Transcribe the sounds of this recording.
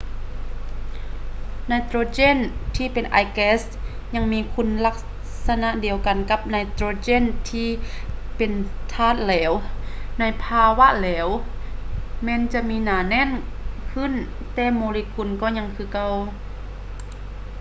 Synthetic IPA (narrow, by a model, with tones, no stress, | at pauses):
naː˧jt̪ɾoː˧t͡ɕeː˧˥˨nt̪ʰiː˧˨pe˨nʔa̰ː˨˧˩jkɛː˧˥s | ɲa˧ŋmiː˧˨kʰu˧˥˨nla˧k̚ | sa˧na˧˨ʔdi˨əwka˨nka˧˦p̚naː˧jt̪ɾoː˧t͡ɕeː˧˥˨nt̪ʰiː˧˩ | pe˨nt̪ʰaː˧˩˨t̪̚lɛː˨˦wna˧˥jpʰaː˧wa˧˨ʔlɛː˨˦w | mɛː˧˥˨nt͡ɕa˧ʔmiː˧˥naː˨˧˦nɛː˧˥˨nkʰɯ˧˥˨n | t̪ɛː˧˩moː˧li˧kʰu˧˩˨nkɔː˧˩ɲa˧ŋkʰɯː˧˨ka˧˨w